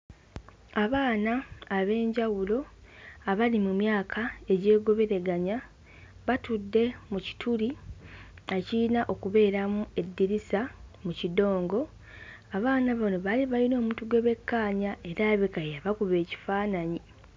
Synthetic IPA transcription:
aβaːnaːβe̞ːɲɟawulo̞aβalimumjaːkʰae̞ɟe̞ːɡo̞βe̞ɾe̞ɡaɲa | βatudːe̞muci̥tʰuli | eciinaʔo̞kuβe̞ːɾamue̞dːiɾisamucido̞ːŋɡo̞ | aβaːnaβano̞βaliβajino̞ːmutuɡwe̞βe̞kːaːɲae̞ɾaːβekajaβakuβe̞ːci̥faːnaɲi

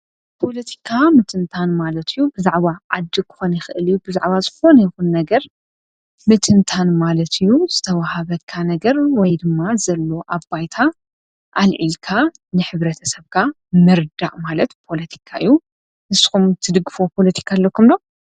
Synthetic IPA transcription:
pʰo̞lɐt̪ʰi̥kʰamɨt̪ʰɨnt̪ʰanmalɐt̪ʰɨjːubɨzaʕβaʕa̰d̪ːɨkʰɨ̥xonjɪxɨʔɨlɨjːubɨza̰ʕβazɨxo̞nɐjɪxunnɐɡɐɾ | mɨt̪ʰɨnt̪ʰanmalɐt̪ʰɨjːuz̥ɨt̪ʰɐwahaβɐt̪kʰanɐɡɐɾwɔjd̪ɨmːazɐlːo̞ʔabbajt̪ʰa | ʔalʕḭlkʰa | nɨħɨβɾɐt̪ʰɐsɐβkʰa | mɨɾd̪aʔʼmalɐt̪pʰo̞lɐt̪ʰi̥kʰaʔɨjːu | nɨsɨxumt̪ʰɨd̪ɨɡɨfopʰo̞lɐt̪ʰi̥kʰalːokʰumlo̞

